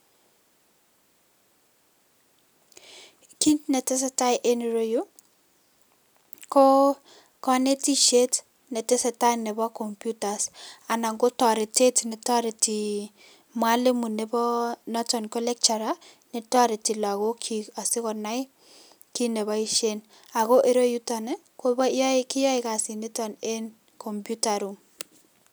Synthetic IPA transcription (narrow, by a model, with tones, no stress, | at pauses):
ki˦ntnɛ˨te˦s̬e˦ta˦jʔe˦ni˨ɾo˦ju˦ | ko˦ | kɔ˦ne˦ti˦ʃe˦t | ne˨tɪ˦se˨ta˦ne˨bɔ˦kɔ˨mpju˦ta˨sa˨na˨ŋɡo˦tɔ˨ɾɪ˨te˦tne˨tɔ˦ɾi˨ti˨ | mwa˦le˦mu˨ne˨bɔ˦nɔ˦tɔ˨nko˦lɛ˦k̚t͡ʃa˨ɾa˦ | ne˨tɔ˦ɾi˨ti˨la˨ko˦kʰi˨a˨sɪ˦kɔ˨na˦ɪ | ki˦ne˨βɔ˦i˦ʃe˦n | a˨ko˦ʔe˦ɾo˦ju˦ta˨ne˦ | ko˦bɔ˦jɔ˦kɪ˦jɔ˦ɪka˨si˨ne˦tɔ˨ne˦n | kʰɔ˨mpju˦ta˨ɾu˨ŋ